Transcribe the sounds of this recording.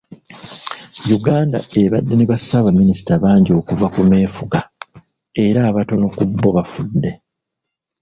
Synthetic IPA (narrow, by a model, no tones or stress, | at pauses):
juɡaːnda̰e̞βadːe̞neβasaβamːinisi̥taβaːɲɟio̞ːkuvakume̞ːfuɡa | e̞ɾaːβato̞no̞kubːo̞βafudːe̞